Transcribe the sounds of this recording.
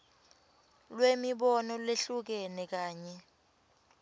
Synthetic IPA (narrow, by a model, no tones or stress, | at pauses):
lwemiɓɔnɔleɬuk̬ɛnɛk̬aːɲɛ